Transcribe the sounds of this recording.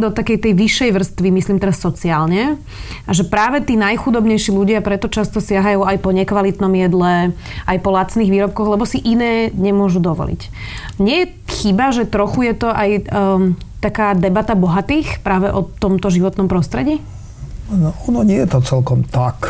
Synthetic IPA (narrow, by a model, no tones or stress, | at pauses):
d̪ɔt̪akɛjt̪ɛjʋiʃːɛjʋr̩st̪ʋimisliːmt̪ɛɾasːɔt͡siaːlɲɛ | ʔaʒɛpɾaːʋɛt̪iːnajxud̪ɔbɲɛjʃiluɟɪapɾɛt̪ɔt͡ʃast̪ɔsɪaɦajuːajpɔɲɛkʋalit̪nɔmjɛd̪lɛ | ʔajpɔlat͡sniːɣʋiːɾɔp̚kɔɣlɛbɔsiʔinɛːɲɛmʊɔʒud̪ɔʋɔ̰lḭc | ɲɪɛjɛ | xibaʒɛt̪ɾɔxujɛt̪ɔʔaj | t̪akaːd̪ɛbat̪abɔɦat̪iːxpɾaːʋɛʔɔt̪ɔmt̪ɔʒiʋɔt̪nɔmpɾɔst̪ɾɛɟiː | nɔɔnɔɲɪɛjɛt̪ɔt͡sɛlkɔmt̪ak